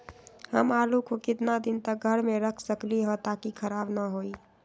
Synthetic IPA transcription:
həmalukokɪt̪nad̪int̪əɡʱəɾmeɾəkʰsəkliɦə̃t̪akikʰəɾabnəɦoi

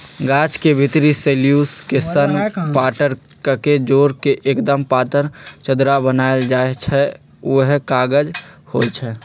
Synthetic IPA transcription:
ɡaːt͡ʃkebʱɪt̪ɾiseːljuːskesənpaːʈəɾ | kəked͡ʒoːɾkeʔeːkd̪əmpaːt̪əɾt͡ʃəd̪ɾabənaːeld͡ʒaːet͡ʃʰɛ | uɦkaːɡəd͡ʒhot͡ʃʰɛ

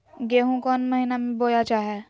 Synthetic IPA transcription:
ɡeːɦũkɔːnmɐɦinamẽboːjat͡ʃaːɦɛː

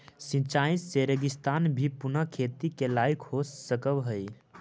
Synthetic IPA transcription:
sĩt͡ʃaːɪsseɾəɡɪst̪aːnbʱipʊnəkʰeːt̪ikelaːikhossəkəbɦəj

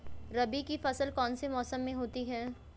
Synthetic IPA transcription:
ɾɐbikifɐsəlkɔːnsemɔːsəmːẽɦoːt̪iɦɛː

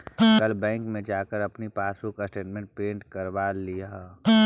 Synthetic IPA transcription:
kɐlbɛ̃ːŋkmẽd͡ʒaːkəɾɐpnipaːsũkasʈeːʈmẽɳʈ̚pẽːɳʈkɐɾʋaːlija

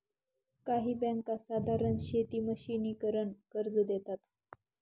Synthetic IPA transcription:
kaɦiːbɛ̃ŋkasad̪ʱaɾənɕet̪iːməɕiniːkəɾəɳkəɾd͡zd̪et̪at̪

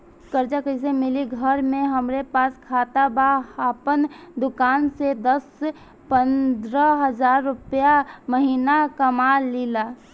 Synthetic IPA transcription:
kəɾd͡ʒakəɪs̬emɪliɡʱəɾmẽɦəmɾepaːskʰaːt̪abaaːpənd̪ʊkaːnsed̪əs | pə̃nd̪ɾəɦəzaːɾːʊpjaməɦiːnakəmaːlilaː

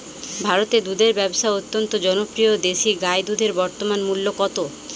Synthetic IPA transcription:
bʱaɾot̪ed̪ud̪ʱeɾbɛboʃaot̪ːont̪od͡ʑɔnopɾiod̪eʃiɡajd̪ud̪ʱeɾbɔɾt̪omanmulːokɔt̪o

